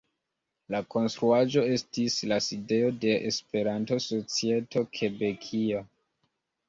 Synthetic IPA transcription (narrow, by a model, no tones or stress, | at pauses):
lako̞nstɾuaʒo̞e̞stislaside̞o̞de̞ʔespe̞ɾanto̞so̞t͡sie̞to̞kʰe̞be̞kʰio̞